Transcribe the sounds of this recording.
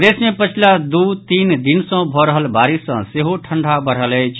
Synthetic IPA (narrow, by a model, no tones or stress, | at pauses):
d̪esmepət͡ʃʰilad̪ut̪ind̪insə̃bʱɔɾəɦəlbaɾisə̰̃seɦoʈʰəɳɖʱabəɽ̤ələjt͡ʃʰ